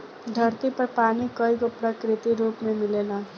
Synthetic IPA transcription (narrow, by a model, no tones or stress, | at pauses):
d̪ʱʌɾt̪ipʌpanikʌikopɾʌkɾit̪iɾupmemilelʌ